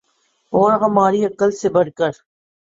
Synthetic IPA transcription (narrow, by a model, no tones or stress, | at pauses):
oːɾɦɐmaːɾiːɐkəlsebɐɽkəɾ